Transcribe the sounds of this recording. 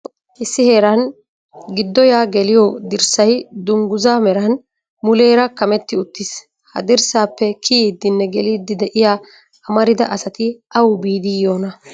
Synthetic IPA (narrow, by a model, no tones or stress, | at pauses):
ʔɪsːɪhe̞ːɾɐn | ɡɪd̪ːɔjaːɡɛlɪjɔd̪ɪɾsɐjd̪ʊŋɡʊzaːmɛɾɐn | mʊle̞ːɾɐkɐmɛt̪ːɪʊt̪ːɪs | hɐ̰d̪ɪɾsaːpːɛkʰiːd̪ːɪnːɛɡɛliːd̪ɪd̪ɛʔɪjaː | ɐmɐɾɪd̪ɐʔɐsɐt̪ɪʔɐwbiːd̪ɪjoːnɐ